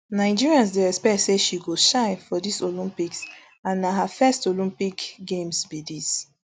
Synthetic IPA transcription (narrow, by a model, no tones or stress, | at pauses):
naɪd͡ʒiɹiãns̬deɛspɛtseʃiɡoʃaɪfɔdisolĩmpiks | ãnːaɦafɛstolĩmpikɡẽmsbidis